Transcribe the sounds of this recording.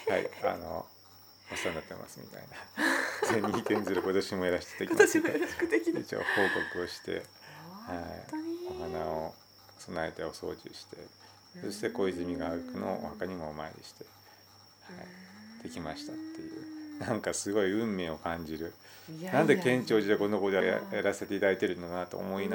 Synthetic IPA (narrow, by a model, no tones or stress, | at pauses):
ha̰ḭa̰no̞̰ | osãnd̪at̪ːḛma̰sɨmʲḭt̪a̰inazeɲʲːiːt̪ẽ̞nzɨɾɯ̟ko̞t̪o̞ɕimo̞eɾaɕi̥t̪e̥t̪ekim | eet͡ɕo̰ːho̞ːko̞kɯo̞ɕi̥t̪e̞̰haioɦanao | sonaait̪aoso̞̰ːd͡ʑɨ̰ɕi̥t̪e̞ | so̞ɕi̥t̪e̞ko̞ːizɨmʲiɡaaɡɯkɯ̟no̰ohakaɲ̟imo̞ːma̰ḛɾʲḭɕi̥t̪e̞̥ | ha̰id̪̥e̞kʲimaɕi̥t̪at̪ːe̞jɯ̟ːnãŋkasɨɡo̞iɯ̟̃mːe̞ːo̞kãɲ̟d͡ʑiɾɯ̟ | nãnd̪e̞kẽ̞ɲt͡ɕo̞ːd͡ʑit̪ekõ̞nːokod̪ea̰jaɾase̞t̪e̞it̪ad̪ait̪e̞ɾɯ̟nːokanat̪o̰ːmo̞ina